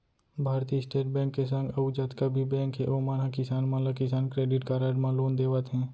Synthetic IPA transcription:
bʱaːɾt̪iːəsʈeːʈ̚bɛ̃ːŋkːes̬ə̃ŋɡɐʊd͡ʒət̪kabʱibɛ̃ːŋkɦeʔoːmaːnãkɪsaːnmãlakɪs̬aːnkɾeːɖɪʈkaɾaːɖmãloːnd̪eːʋət̪ɦɛ̃ː

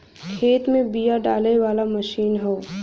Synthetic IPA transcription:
kʰeːt̪mẽbijaɖaːleʋaːlamɐʃiːnɦoː

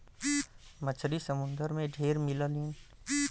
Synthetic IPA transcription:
mət͡ʃʰɾisəmʊ̃nd̪əɾmẽɖʱeːɾmɪləlĩː

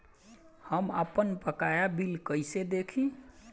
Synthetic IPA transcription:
həmə̰pənpəkajabilkəjsed̪ekʰĩ

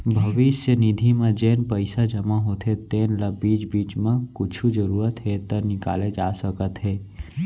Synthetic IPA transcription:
bʱɐʋɪsjənɪd̪ʱimẽd͡ʒeːnpəɪsad͡ʒɐmaɦoːt̪ʰɦet̪eːnlɐbiːt͡ʃbiːt͡ʃmẽkʊt͡ʃʰuzəɾuːɾət̪ɦɛt̪ənɪka̰ːled͡ʒaːsəkət̪ɦɛː

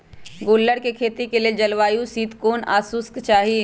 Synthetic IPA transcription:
ɡoːlːəɽkekʰeːt̪ikelied͡ʒɐlʋaːjũsiːd̪koːna̰ːsʊskt͡ʃaːɦi

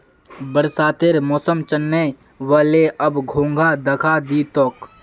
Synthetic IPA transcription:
bəɾsaːt̪eɾmɔːsəmt͡ʃənːe | ʋaːleʔɐbɡʱõːŋɡʱad̪ɐkʰad̪iːt̪ok

